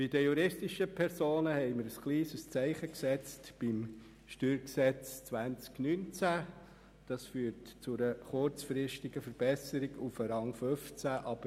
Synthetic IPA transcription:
b̥id̥əjuɾɪstiʃəpʰɛɾsoːnəhɛɪməɾəsχliːsəst͡sɛɪχəksɛt͡stb̥im | ʃtyːɾksɛt͡st͡sʋænt͡sknynt͡sæ | d̥ɑsfyːɾtt͡sʊɾəχʊɾt͡sfɾɪʃtɪɡ̥əfəɾb̥ɛsəɾɪɡufəɾɑŋføft͡sæʔɑb̥ə

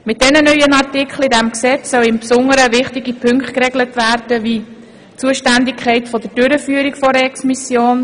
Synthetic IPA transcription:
mɪt̚d̥ɛnənœʏənɑrtikχlidæmksɛt͡ssœwɪmpsʊŋəɾəvɪχtɪɡipʰʏŋktkɾɛɡlətʋæːɾd̥əʋiː | t͡suəʃtændɪkʰχɛɪtfɔd̥̪əd̥øɾəfyːəɾikfɔɾɛksmisjoːn

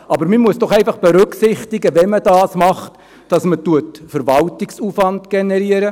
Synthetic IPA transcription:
ɑbəɾmimuəsd̥ɔχɛɪfɑχb̥ɛɾʉksɪχtɪɡəʋɛməd̥ɑːsmɑχt | d̥ɑsmətuətfəɾvɑltɪksuːfʋɑndɡ̥ɛnɛɾiəɾə

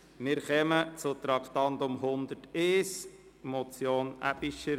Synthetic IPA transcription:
mɪɾχɛmət͡sʊt̪ɾɑkχt̪ɑnd̪ʊmɦʊnd̪əɾteːs | mɔt͡sjoːnʔæ̰b̥iʃəɾ

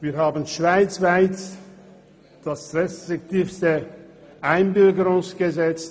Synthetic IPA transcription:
viːhɦaːbən̩ʃv̥aɪt͡sv̥aɪt | d̥asʁɛstʁɪktiːfstə | ʔaɪnbʏlɡəɾʊŋsɡ̥əzɛt͡st

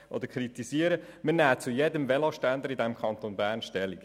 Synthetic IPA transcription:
ʔɔ̰dəɾkʰχɾit̪isiəɾə | mənæːt͡sujɛdəmvɛlɑʃtænd̪əɾid̪ɛmkχɑnt̪onbæːɾnʃtɛlik

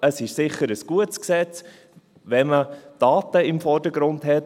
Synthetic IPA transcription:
əsɪʃsɪχəɾəsɡ̥uətsksɛt͡s | ʋɛməd̥ɑːtəɪmfɔd̥əɡɾʊndɦɛt

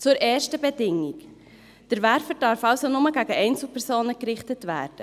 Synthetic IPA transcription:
t͡sʊɾʔɛːɾʃtəbedɪŋik | d̥əɾʋæɾfəɾd̥ɑɾfɑʊsonʊməɡæɡəʔɛɪnt͡sl̩pʰɛɾsoːnəkɾɪχtətvæ̰ːɾd̥ə

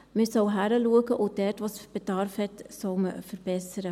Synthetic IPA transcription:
mɪsɔʊɦæɾəluəɡəʔʊd̥ɛɾtʋosb̥edɑɾfhɛtsɔwməfəɾb̥ɛsəɾə

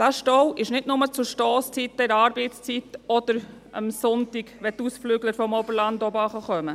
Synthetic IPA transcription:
d̥æʃtɔwɪʃnɪtnʊmət͡sʊʃtɔːst͡sitːəɾɑːɾbɛɪtst͡sit̪ɔd̪̥əɾ | ə̰msʊntɪɡʋɛt̪usflyɡləɾfɔmɔbəɾlɑndɔbɑχəχœmə

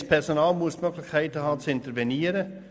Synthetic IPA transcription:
spʰɛʁsonaːlmuəsmøɡlɪçkʰæɪtəhɑːt͡sɪntəɾvɛniːəɾə

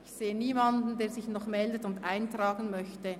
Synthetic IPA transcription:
ɪçseːəniːmɑndn̩deːɐzɪçnɔχmɛldətʊndʔaɪntraːɡənmœçtə

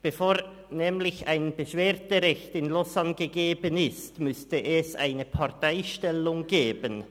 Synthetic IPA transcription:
b̥əfoːʁ | nɛːmlɪçaɪnb̥əʃv̥eːɐtəʁɛçtɪnlɔsanɡəɡeːbənɪstmʏstəʔɛsa̰ɪnəpʰaʁtaɪʃtɛlʊŋɡeːbən

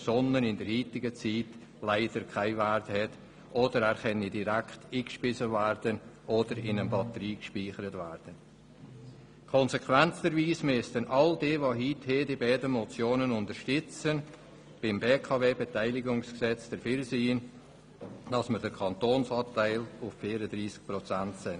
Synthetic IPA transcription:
sɔnənɪndəɾhiːtɪɡət͡siːt | laɪd̥əɾkʰaɪværthɛt | ʔod̥əɾæːɾχɛnidiɾæktiːkʃpɪsəvæɾd̥ənʔodəɾɪnənbɑtəɾiːkʃpiːχəɾətvæːɾd̥ən | kʰɔnsekʰvɛnt͡səɾviːsmʏstənʔɑldeːvoɦitheːdibaːdəmɔt͡sjoːnənʊndəɾʃtʏt͡sən | b̥ɪmbeːkʰɑveːbetaɪlɪɡʊŋsksɛt͡sd̥əɾfyɾsiːn | d̥ɑsmədəɾkʰɑntoːnsɑːtaɪlʊffiːɾədɾiːsk̚pɾɔt͡sæntsɪn

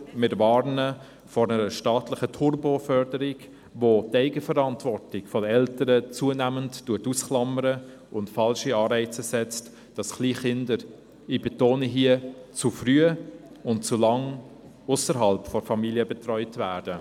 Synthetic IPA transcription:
mɪɾvɑːɾnə | fɔɾnəɾəʃtɑːtlɪχətʰurbofœɾdəɾɪɡ | votæɪɡəfəɾɑntvɔrtɪɡfɔdəɛltəɾət͡suənæmənttuətusklɑməɾə | ʊntfɑlʃiɑːɾɛɪt͡səsɛt͡st | d̥ɑsχliːχɪndəɾ | ib̥etoːnəɦiət͡sufɾyə | ʊntt͡sulɑŋ | ʊsəɾɦɑlpfɔɾfɑmiljəbɛtrɔʏtvæːd̥ə

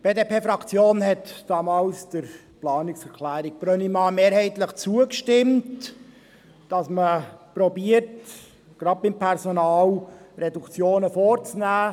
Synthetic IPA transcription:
b̥eːdepʰeːfɾɑkt͡sjoːnɦɛtd̥ɑmɑːlsd̥əɾ | plɑːnɪksɛɾkʰlæːɾɪk̚b̥ɾœnimɑːmeːɾhɛɪtləχt͡suəkʃtɪmt | d̥ɑsməpɾɔbiəɾt | ɡ̥ɾɑd̚bɪmpʰɛɾsonɑːlrɛdukt͡sjoːnəfoːɾt͡snæː

